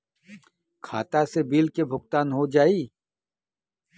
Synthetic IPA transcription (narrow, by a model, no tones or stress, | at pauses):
kʰa̰ːt̪asebiːlkebʱʊɡt̪aːnɦod͡ʒaːiː